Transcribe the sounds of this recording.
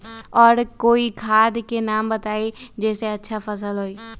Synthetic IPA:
ɔːɾkoːikʰaːd̪kenaːmbət̪aːed͡ʒɛːseɐtːʃʰafɐs̬əlɦoːiː

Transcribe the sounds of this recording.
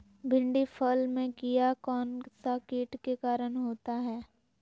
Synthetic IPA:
bʱɪ̃ɳɖifʰəlmẽkijakɔːnsakiːʈkekaːɾənɦoːt̪aɦɛː

